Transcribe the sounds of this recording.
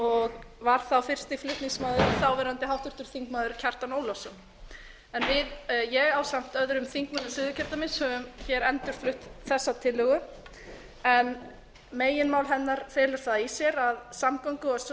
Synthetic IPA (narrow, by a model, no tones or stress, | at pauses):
ɔɣvaɾ̥θawfɪr̥st̪iflʏt̪niŋsmaːðʏɾθawvɛːɾant̪ɪɦawht̪ʏɾ̥t̪ʏɾ̥θiŋkmaːðʏɾ̥cʰar̥t̪anoːwlɔsɔn | ɛnvɪðjɛɣawsam̥t̪œðɾʏmθiŋkmanasɪːðʏcʰɛɾ̥t̪amɪnshœvʏmçɛɾɛnt̪ʏɾ̥flʏht̪θɛsːat̪ʰɪlːʏɣʏ | ɛn | meːjɪnmaːwlɦɛnːaɾ̥feːlɪɾ̥θaðisjɛɾaðsamkowŋkʏɔs